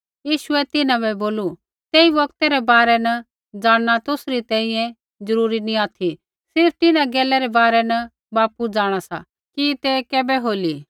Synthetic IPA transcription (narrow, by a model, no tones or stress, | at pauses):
jiːʃʊɛt̪ɪnãbɛboːlu | t̪eːibɐkt̪ɛɾɛbaːɾɛnɐ | d͡zaːɽ̃ñat̪ʊsɾit̪ɛ̃ːĩjɛ̃ | d͡zɐɾuːɾinĩaːt̪ʰi | sɪɾp̚ʰt̪ɪnãɡɛːlɛɾɛbaːɾɛnɐ | baːpud͡zaːɽ̃asa̰ | kit̪ɛkɛːbɛɦoːliː